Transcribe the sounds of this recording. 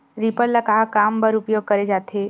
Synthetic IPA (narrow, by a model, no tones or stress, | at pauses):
ɾipəɾləkaːkaːmbəɾʊpjoːɡ̚kəɾed͡ʒaːt̪ʰe